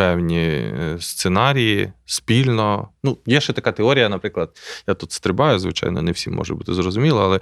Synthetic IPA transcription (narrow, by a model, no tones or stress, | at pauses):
ɛwnʲist̪senɑɾʲijispʲilʲnɔnujɛʃɛt̪ɐkat̪eɔɾʲijɐnɐpɾɪklˠɐd̪̥̚jat̪ut̪st̪ɾɪbɑjʊzʋɪ̰t͡ʃɑ̰jnɔ̰nɛwsʲḭmːɔ̰ʒɛ̰but̪ɪzrɔzʊmʲilˠɔalˠɛ